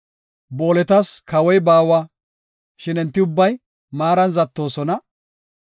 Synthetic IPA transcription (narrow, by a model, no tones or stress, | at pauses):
bo̞ːlɛt̪ɐskɐwɔjbaːwa | ʃɪnɪnt̪ːɪʊbːɐj | maːɾɐnzɐt̪ːo̞ːsɔnɐ